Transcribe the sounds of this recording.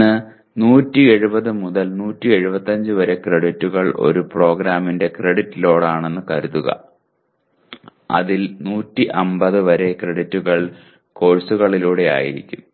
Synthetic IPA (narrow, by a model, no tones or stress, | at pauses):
ɨ | nuːtːie̞ɻubɐðɨmuðɐlnuːtːie̞ɻubɐt̪ːɐɲd͡ʑɨʋɐɾe̞kreɽitːuɣɐɭʔo̞̰ɾupro̞ːɡɾaːminde̞kreɽitːilo̞ːɽaːɳe̞nːɨkɐɾuðuɣɐ̰ | ɐ̰ðilnuːtːiʔɐmbɐðɨʋɐɾe̞kreɽitːuɣɐɭ | ko̞ːɻsuɣɐɭiluːɽe̞a̰ːjḭɾḭkʲːum